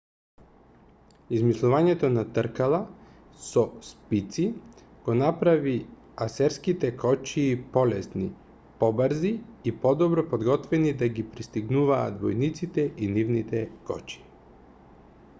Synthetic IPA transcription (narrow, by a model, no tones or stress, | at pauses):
izmislˠuvaɲɛt̪onat̪əɾkalˠa | sɔspit̪si | ɡ̥onapɾavi | asɛɾskit̪ɛkʰɔt͡ʃiːpɔlɛsni | pɔbəɾziːpɔd̪ɔbɾɔpod̪ɡɔt̪vɛnid̪aɡipɾist̪iɡnuvaːt̪vɔjnit̪sit̪ɛʔinivnit̪ɛkɔ̰t͡ʃi̥